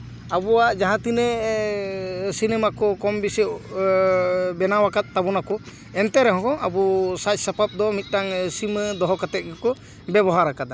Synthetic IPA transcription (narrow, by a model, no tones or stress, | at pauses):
abɔwaʔd͡ʒaɦãt̪inɛ | sinɛmakɔkɔmbisɛ | bɛnawakat̪̚ˀːabɔnakɔ | ɛnt̪ɛɾɛɦɔ̃kɔʔabɔsac̚sapap̚d̪ɔmit̪̚ˀʈaŋsiməd̪ɔɦɔkat̪ɛt̪̚kɛkɔ | bɛbɔɦaɾakad̪a